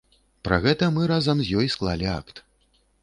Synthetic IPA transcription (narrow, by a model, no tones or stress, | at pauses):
pɾɐ̰ɣɛt̪ɐmɨɾazɐmzʲjɔjsklˠalʲia̰kt̪